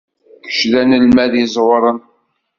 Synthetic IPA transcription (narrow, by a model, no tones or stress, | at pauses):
kə̥ʃlænəlmæðjɪzˤwɾˤən